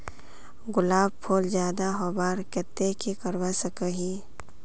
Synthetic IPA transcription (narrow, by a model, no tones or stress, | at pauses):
ɡʊlaːbpʰoːld͡ʒjaːd̪aɦobaːɾkɛt̪ːekikəɾwasəkəɦi